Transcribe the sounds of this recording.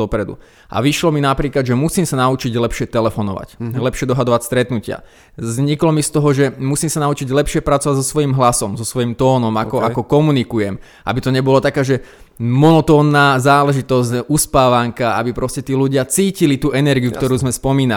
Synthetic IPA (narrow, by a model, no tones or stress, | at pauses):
ɔpɾɛd̪ṵ | ʔa̰ʋiʃlɔminapɾiːklad̪ʒɛmusiːmsanaut͡ʃiɟlɛpʃɪɛt̪ɛlɛfɔnɔ̰ʋa̰clɛpʃɪɛd̪ɔɦad̪ɔʋacst̪ɾɛt̪nucɪa̰ | zɲiklɔmist̪ɔɦɔʒɛmusiːmsanaut͡ʃiɟlɛpʃɪɛpɾat͡sɔʋaɟzɔsʋɔjimɦlasɔmzɔsʋɔjimt̪ɔːnɔmakɔʔakɔkɔmunikujɛm | ʔa̰bit̪ɔɲɛbɔlat̪akaːʒɛ | mɔnɔt̪ɔːnːaːzaːlɛʒit̪ɔs̬cʔuspaːʋaŋkaabipɾɔscɛt̪iːluɟɪat͡siːcilit̪uːʔɛnɛɾɡiukt̪ɔɾuːzmɛspɔmiːna